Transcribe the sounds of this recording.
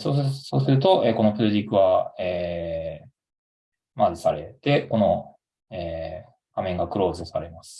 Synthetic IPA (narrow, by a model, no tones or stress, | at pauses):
soso̞ːsɨɾɯ̟t̪o̞ʔeːko̞no̞pɯ̟ɾɯ̟ʑikːɯ̟βaeː | mazɨsaɾe̞t̪e̞ko̞no̞ | eː | ɡ̥amẽ̞ŋɡakɯ̟ɾo̞ːzɨsaɾe̞masɨ̥